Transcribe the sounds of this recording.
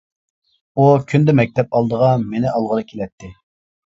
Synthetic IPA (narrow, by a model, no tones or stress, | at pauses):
ukʲʰynd̪ɛmɛk̚ʲt̪ʰɛpɑlˠd̪əʁɑmenɪʔɑlˠʁəɾɨkʲʰelɛt̪ʰːɪ